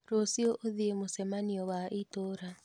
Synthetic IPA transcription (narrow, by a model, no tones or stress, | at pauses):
ɾosiɔʔoðiemosɛmaniɔwaʔitoɾa